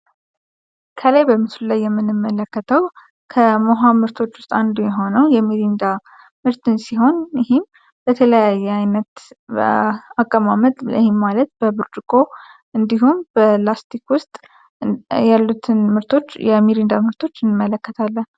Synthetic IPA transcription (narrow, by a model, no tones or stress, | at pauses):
kʰəlajbəmɨsllajːɛmːɨnːɨmːələkːət̪ʰəw | kʰəmoɦamɨɾt̪ʰo̞t͡ʃːwʊst̪ʼand̪umjɛɦo̞nəwjɛmiɾind̪a | mɨɾt̪ʰɨnsiɦo̞njɪhɪm | bət̪ʰələjajːɛajnət̪ | akʼːəmamət̪ʼhimːalət̪̚b̥əbɨɾd͡ʒukʼo̞ | ɨnd̪iɦumbəlast̪ʰikwʊst̪ʼ | jalːut̪ʰɨnmɨɾt̪ʰo̞t͡ʃːjɛmiɾind̪amɨɾt̪ʰo̞t͡ʃːɨnmːələkːət̪ʰalːən